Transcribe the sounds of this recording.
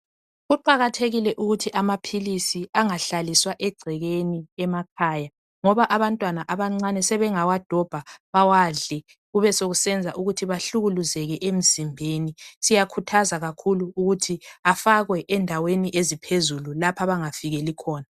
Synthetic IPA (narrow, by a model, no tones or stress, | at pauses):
ɣuǃaɣatʰeɣilɛʔuɣutʰiʔamapʰilisiaŋaɬaliswaʔɛɡ͡ǀʱɛɣeniɛmakʰaːja | ŋɔβaʔaβantʼwanaʔaβaŋ͡ǀanɛsɛβɛŋawad̥ʱɔb̥ʱaβawaːɮɛ | ɣuβɛsoɣusɛnd͡zʱaʔuɣutʰiβaɬuɣuluzɛɣɛʔem̩zimbʱenisijakʰutʰazaɣakʰuluːɣutʰiafaɣwɛʔɛndʱaweniʔezipʰezululapʰaβaŋafiɣɛlikʰɔːna